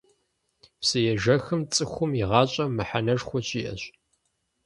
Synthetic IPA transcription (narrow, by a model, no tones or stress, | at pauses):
psɨjɛʒɐxɨmt͡sʼɨxʷʊmiʁɑːɕʼɐmɨħanɐʒxʷɔɕʼiːʔɐ̰ɕ